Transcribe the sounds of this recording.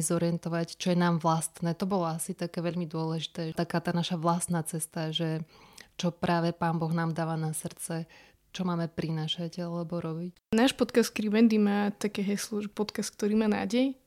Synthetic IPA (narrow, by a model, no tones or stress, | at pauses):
zɔɾiɛnt̪ɔʋact͡ʃɔjɛnaːmʋlast̪nɛːt̪ɔbɔlɔasit̪akɛːʋɛʎmid̪ʊɔlɛʒit̪ɛːt̪akaːt̪aːnaʃaʋlast̪naːt͡sɛst̪aʒɛt͡ʃɔpɾʔaːʋɛpaːnbɔɣnaːmd̪aːʋaːnasr̩t͡sɛ | t͡ʃɔmaːmɛpɾinaːʃaɟalɛbɔɾɔbic | naːʃpɔt̪kast̪kɾiʋɛnd̪imaːt̪akɛːɦɛslɔʒɛpɔt̪kast̪k̚t̪ɔɾiːmaːna̰ːɟɛj